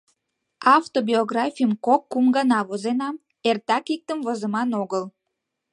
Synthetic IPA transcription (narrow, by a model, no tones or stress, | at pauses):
ɑft̪obioɡrɑfʲijəmkokːumɡɑnɑβozenɑm | ert̪ɑkik̚t̪əmvozəmɑnoɣəl